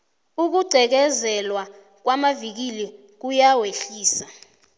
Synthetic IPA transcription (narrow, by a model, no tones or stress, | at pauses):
uk̬uɡ͡ǀʱɛk̬ɛzɛlwa | k̬wamavik̬ilɛ | k̬ujaweɬiːsa